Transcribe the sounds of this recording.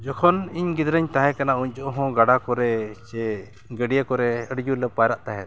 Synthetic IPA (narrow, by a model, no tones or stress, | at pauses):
d͡ʒɔkʰɔniɲɡid̪ɾəɲt̪aɦɛ̃kanauɲt͡ʃɔʔɔɦɔ̃ɡaɽakɔɾɛt͡ʃɛ | ɡəɖijakɔɾɛəɖd͡ʒulɛpajɾaʔt̪aɦɛt̪